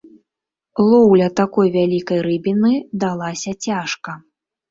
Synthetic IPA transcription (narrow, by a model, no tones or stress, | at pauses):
lˠɔwlʲɐt̪akɔjvʲalʲikɐjɾɨbʲinɨd̪alˠasʲɐt͡sʲaʂkɐ